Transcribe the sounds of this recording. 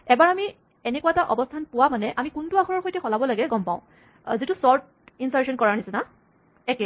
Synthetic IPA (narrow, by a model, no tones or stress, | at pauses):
ɛbaɹami | enekuwaɛtaʔɔbɔstʰanpʊwamanɛʔamikʊntʊaxʰɔɹɔɹxojtɛxɔlabɔlaɡɛɡɔmpãʊ̃ | zitʊsɔɹt̚ | insaɹʃɔnkɔɹaɹnisɛna | ɛkɛ